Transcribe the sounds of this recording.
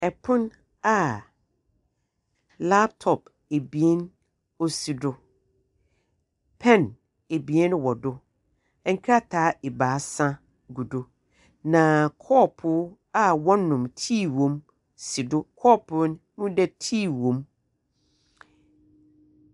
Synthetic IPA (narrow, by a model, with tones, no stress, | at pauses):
ɛ˨pʰʊ̃˦n | a˨ | la˦p̚tʰɔ˨p | e˨bi˨e˦n | o˦si˨dʊ˦ | pʰɛ̃˦˨n | e˨bi˨e˦n˦wɔ˨dʊ˦ | ɛ˨ŋ̩˦kʰɾa˦tʰaː˨˦ʔɛ˨baː˨˦sã˦ | ɡu˨do˦ | nã˨kʰɔː˦˨pʰʊ˨˦ | a˦wɔ̃˦nːʊ̃˨mtʰiː˦˨wõ˨m | si˨dʊ˦kʰɔː˦˨pʰʊ˦n˦mũ˦dɛ˦tʰiː˦˨wõ˨m